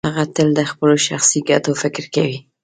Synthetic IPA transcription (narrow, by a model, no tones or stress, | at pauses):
haɣat̪əld̪əxpəloʃaxsiɡat̪ofɪkɾkawi